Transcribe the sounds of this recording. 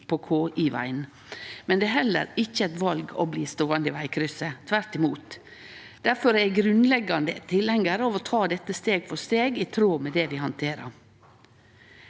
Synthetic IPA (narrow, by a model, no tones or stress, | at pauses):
pɔkʰoːʔiʋæ̰ɪn | mɛnd̪ɛːɦɛlːə̰ɾɪçːəæt̪ʋɑlɡɔ̰bliːst̪oːənd̪ɪʋæɪkʰɾʏsət̪ʰʋæɾt̪ɪmuːt̪ | d̪̥æɾfɔɾɛɡɾʉnlɛɡːɑnd̪ət̪ʰɪlɛŋːəɾəɑʋɔt̪ʰɑːd̪ɛt̪ːəst̪eːɡfɔst̪eːɡɪt̪ʰɾoːmɛd̪ɛʋɪhɑnt̪ʰeːɾə̰ɾ